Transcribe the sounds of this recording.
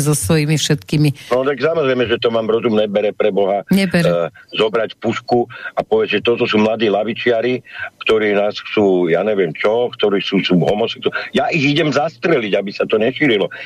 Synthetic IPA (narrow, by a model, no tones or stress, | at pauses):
zɔsʋɔjimifʃɛt̪kiːminɔt̪aɡsamɔzɾɛjmɛʒɛt̪ɔmaːmɾɔzumnɛbɛɾɛpɾɛbɔɦaɲɛbɛɾzɔbɾacpuskuapɔʋɪɛʒɛt̪ɔt̪ɔsuːmlad̪iːlaʋit͡ʃɪaɾikt̪ɔɾiːnaːsxt͡suːjaːɲɛʋɪɛmt͡ʃɔkt̪ɔɾiːsuːsuːɦɔmɔsɛkt̪ujaʔiɣiɟɛmzast̪ɾɛliɟabisat̪ɔɲɛʃiːɾilɔ